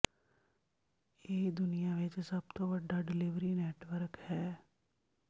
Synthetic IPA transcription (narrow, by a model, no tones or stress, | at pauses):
jeɦid̪ʊnijaʋɪt͡ʃsɐb̚t̪oʋɐɖaɖɪlɪʋɾineːʈʋəɾkhɛː